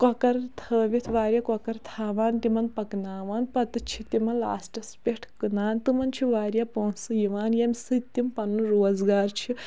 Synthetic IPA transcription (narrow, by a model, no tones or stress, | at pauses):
kɔkɐɾt̪ʰəːʋit̪ʰʋaːɾʲjakɔkɐɾt̪ʰaːʋaːnt̪imɐnpɐknaːʋaːnpɐt̪ɨt͡ʃʰit̪imɐnla̰ːsʈɐspʲeʈʰkɨnaːnt̪ɨmɐnt͡ʃʰiʋaːɾjapoːnsɨjiʋaːnjɐmʲsɨt̪ːimpɐnːɨɾoːzɡaːɾt͡ʃʰi